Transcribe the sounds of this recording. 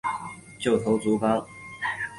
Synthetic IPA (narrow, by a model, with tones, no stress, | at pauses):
t͡ɕjo˥˩ʊt̪ʰo˧˥ʊt͡su˧˥fɑ˥ŋ